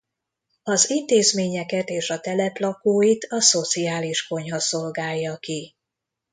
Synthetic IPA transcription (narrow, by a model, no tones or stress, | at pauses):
ɒzint̪eːzmeːɲɛkɛt̪eːʃɒt̪ɛlɛplɒkoːjit̪ɒso̞t̪siaːliʃko̞ɲhɒso̞lɡaːjːɒki